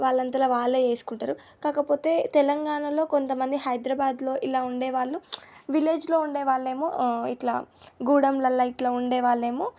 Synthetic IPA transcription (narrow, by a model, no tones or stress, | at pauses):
ʋaːɭːɐnt̪ɐlɐʋaːɭːeeːsu̥kuɳʈaːɾu | kaːkɐpo̞ːt̪e̞ːt̪ɛlɐŋɡaːɳɐlo̞ːko̞nt̪ɐmɐnd̪iɦɐjd̪ɾɐbaːd̪lo̞ːʔilaːuɳɖeːʋaːɭːuʋile̞ːd͡ʒlo̞ːuɳɖɛːʋaːɭːe̞ːmo̰ːiʈla̰ːɡuːɽɐmlɐlːɐiʈlaːuɳɖɛːʋaːɭːeːmoː